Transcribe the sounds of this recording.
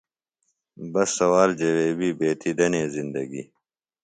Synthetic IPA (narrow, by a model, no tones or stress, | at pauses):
bɐsːɐwaːld͡ʑɐweːbiːbeːt̪ʰid̪ɐnẽːzind̪ɐɡḭ